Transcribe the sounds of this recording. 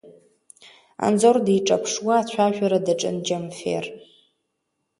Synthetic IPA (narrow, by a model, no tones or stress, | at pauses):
a̰nd͡zordiiʈ͡ʂʼapʰʂwaːt͡ɕʷʰaʒᶣaɾadaʈ͡ʂʼɨ̰nd͡ʒamfḛr